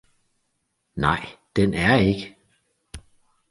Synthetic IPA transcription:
nɑ̈ɪ̰d̥enæɐe̝ɡ̥ə

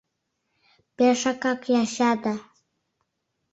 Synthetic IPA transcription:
peʃɑkɑkjɑʃɑd̪ɑ

